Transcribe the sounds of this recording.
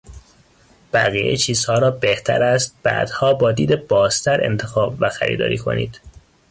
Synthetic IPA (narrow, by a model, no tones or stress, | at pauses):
b̥æ̰ɣiːʔḛt͡ʃʰiːz̥hɒːɾɒːbeht̪ʰæ̰ɾæst̪̚b̥æ̰ːd̪̥hɒːbɒːd̪iːd̪e̞b̥ɒːzt̪ʰæɾe̞̰nt̪ʰe̞xɒːbvæxæ̰ɾḭːd̪ɒ̰ːɾiːkʰo̞̰nḭːd̪̥